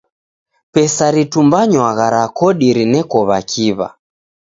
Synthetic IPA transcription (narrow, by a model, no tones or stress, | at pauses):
pɛsaɾitumbaɲwaɣaɾakɔɗiɾinɛkɔβakʰiβa̰